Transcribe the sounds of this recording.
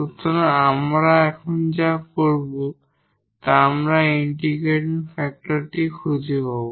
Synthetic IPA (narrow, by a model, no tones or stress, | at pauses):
ut̪ʰːonamɾaɛkʰond͡ʑakoɾbo | t̪aamɾaiɳʈiɡeʈnfɛk̚ʈoɾʈikʰud͡ʑʱiɦɔbo